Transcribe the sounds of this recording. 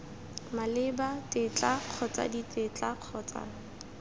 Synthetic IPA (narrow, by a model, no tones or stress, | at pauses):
malɪbatʼɪt͡ɬaq͡χʰɔt͡sa̰ditʼɪt͡ɬaq͡χʰɔːt͡sʼa̰